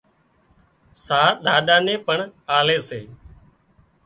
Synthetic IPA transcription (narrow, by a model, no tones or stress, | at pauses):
saːɾɗaːɗaːnẽːpəɳaːleːseː